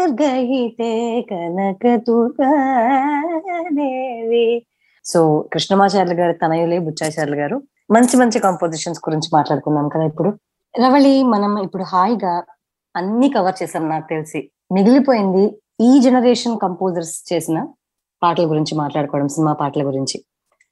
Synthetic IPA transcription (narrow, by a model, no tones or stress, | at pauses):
ɐɾɡɐɦit̪ekɐnɐkɐt̪ukɐ | neːʋi | soːkɾiʂnɐmaːʃaːɾluɡaːɾut̪ɐnɐjulebut͡ʃːaːʃaːɾluɡaːɾu | mɐɲt͡ʃimɐɲt͡ʃikɐmpoːd͡ʒiʂɐnsɡuɾiɲt͡ʃimaːʈlaːɽukund̪aːmkɐd̪aːipːuɽu | ɾɐʋɐɭimɐnɐmipːuɽuɦaːjɡaː | ɐnːikɐʋɐɾt͡ʃɛːsaːmnaːku̥t̪elisi | niɡulipoːjind̪i | iːd͡ʒenɐɾeːʂɐnkɐmpoːd͡ʒɐɾst͡ʃe̞ːsinɐ | paːɾʈlɐɡuɾiɲt͡ʃimaːʈlaːɽukɔːʋɐɽɐmsinimaːpaːɾʈlɐɡuɾiɲt͡ʃi